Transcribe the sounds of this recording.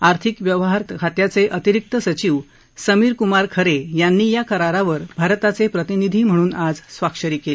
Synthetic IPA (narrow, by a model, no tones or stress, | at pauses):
aɾt̪ʰikʋjəʋɦaɾt̪kʰat̪jat͡seʔət̪iɾik̚t̪əsət͡ɕiːʋ | səmiːɾkumaɾkʰəɾejanːiːjakəɾaɾaʋəɾbʱaɾt̪at͡sepɾət̪inid̪ʱiːm̤ə̃uːnad͡zsʋakʂəɾiːkeli